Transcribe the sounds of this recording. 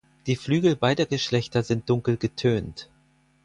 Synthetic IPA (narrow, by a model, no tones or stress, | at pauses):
d̥iːflyːɡl̩baɪdɐɡəʃlɛçtɐzɪnt̚d̥ʊŋkl̩ɡətʰøːnt